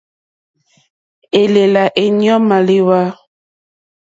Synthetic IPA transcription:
e˨le˨la˨ʔe˨ɲ˦ɔ˦ma˨li˦wa˦

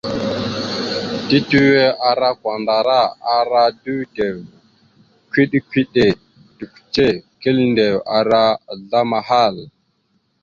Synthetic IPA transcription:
ti˦tu˦we˦ʔa˨ɾa˦kʷa˨nda˨ɾa˦a˨ɾa˦du˦te˨w | kʷi˦ɗkʷi˦ɗe˨ | tu˨kʷt͡ʃe˦ki˦lnde˨wa˨ɾa˦ɮa˦ma˨ɦa˦˨l

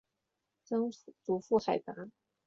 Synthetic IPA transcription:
t͡sɤ˥ŋt͡su˨˩fu˥˩xa˨˩ɪt̪a˧˥

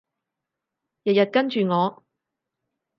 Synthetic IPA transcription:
jɐ˨t̚jɐ˨t̚kɐ˥nt͡ʃyː˨ŋɔː˨˧

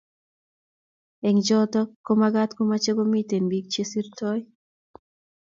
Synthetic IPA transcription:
e˨ŋd͡ʒɔt̪ɔ˦kːomaɡat̪ko˦mat͡ʃe˦ɡo˦mi˦t̪e˨nbik̚t͡ʃe˦si˦ɾtɔ˦j

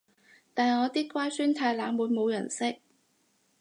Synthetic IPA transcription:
t̪aː˨nŋɔː˨˧t̪iː˥kʷwaː˥jsyː˥nt̪ʰaː˧jlaː˨˧ŋwuː˨˧jmo˨˧wjɐ˨˩nsɪ˥k̚

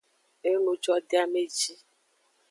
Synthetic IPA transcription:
e˦nũ˨d͡ʒɔ˦de˦a˦me˦˨d͡ʒi˦

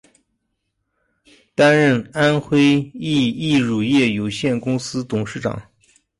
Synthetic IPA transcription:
t̪a˥nɻə˥˩na˥nxwe˥ɪi˥˩˧i˥˩ɻu˨˩jɛ˥˩jo˨˩ʊɕjɛ˥˩nkʊ˥ŋsɹ̩˥t̪ʊ˨˩ŋʂɻ̩˥˩ʈ͡ʂɑ̰˨˩˦ŋ

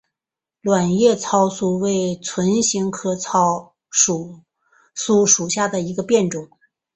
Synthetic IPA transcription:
lwa˨˩njɛ˥˧t͡sʰɑ˥ʊsu˥˩we˥˩ɪt͡sʰwə˧˥nɕi˧˥ŋkʰɤ˥t͡sʰɑ˥ʊ | ʂu˨˩ | su˥ʂu˨˩ɕja˥˩d̪ə˩i˧˥ɡə˧pjɛ˥˩nʈ͡ʂʊ˨˩˦ŋ

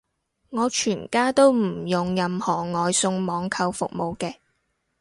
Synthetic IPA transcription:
ŋɔː˨˧t͡ʃʰyː˨˩nkaː˥t̪o˥wm̩˨˩jʊ˨ŋjɐ˨mhɔː˨˩ŋɔː˨jsʊ˧ŋmɔː˨˧ŋkʰɐ˧wfʊ̰˨k̚mo˨˧wkɛː˧

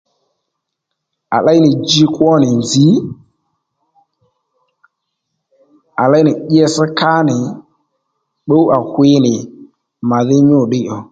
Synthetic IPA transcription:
a˨la˦jnɪ˨d͡ʒi˦kwɔ˦nɪ˨nzi˨˦ | a˨la˦jnɪ˨ɗi˦ɛ˦sə˦ka˦nɪ˨ | ɓo˦wa˨hwɪ˦nɪ˨ | ma˨ðɪ˦ɲʊ˦˨ɗɪ˦ʔɔ˨

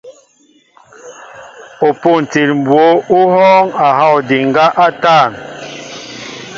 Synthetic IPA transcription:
o˨po˨n̩˨ti˨lm̩˨bwo˨˦u˦ɦɔː˦ŋa˨ɦa˦˨wdi˨ŋ˦ɡa˦ʔa˦taː˦˨n

